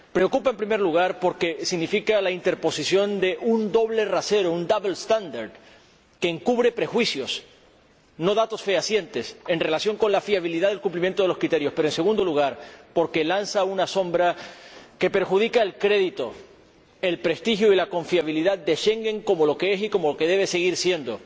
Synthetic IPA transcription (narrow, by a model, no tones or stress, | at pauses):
pɾe̞okupaempɾime̞ɾluɣ̞aɾpo̞ɾke̞siɣnifikalaint̪e̞ɾpo̞sisjo̞nd̪e̞ʔund̪o̞βle̞rase̞ɾo̞und̪aβlst̪and̪aɾd̪ | ke̞ːŋkuβɾe̞pɾe̞xwisjo̞s | no̞ðat̪o̞sfe̞asje̞nt̪e̞se̞nre̞lasjo̞ŋko̞nlafiaβ̞iliðaðe̞lkumplimjent̪oeloskɾit̪e̞ɾjo̞speɾoense̞ɣ̞ũnd̪o̞luɣ̞aɾpo̞ɾke̞lansaunaso̞mbɾake̞pe̞ɾxuð̞ikaelkɾe̞ðit̪o̞ | e̞lpɾe̞st̪ixjoilako̞ɱfiaβ̞iliðat̪̚d̪e̞ʃe̞ŋɡe̞ŋko̞molo̞kee̞siko̞mo̞loke̞ð̞e̞β̞e̞se̞ɣ̞iɾsje̞nd̪o̞